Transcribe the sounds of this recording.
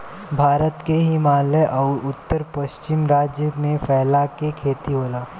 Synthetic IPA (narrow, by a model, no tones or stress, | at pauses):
bʱaːɾət̪keɦimaːləʔɔːɾʊt̪ːəɾpəʃt͡ʃɪmɾaːd͡ʒjəmẽfɛːlakekʰeːt̪iɦoːlaː